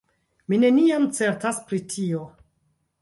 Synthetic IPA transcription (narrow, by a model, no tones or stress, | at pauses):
mine̞niamt͡se̞ɾtaspɾitʰio̞